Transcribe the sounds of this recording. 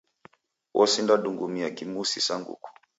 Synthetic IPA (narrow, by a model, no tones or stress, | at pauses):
wʔɔsindaɗuŋɡumiakimusisaŋɡṵku̥